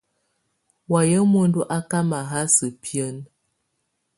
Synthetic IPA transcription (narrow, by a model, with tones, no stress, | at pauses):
wa˨jə˦mo˦n˦du˦ʔa˦ka˦ma˨ɦa˦sə˨pi˦ə˦n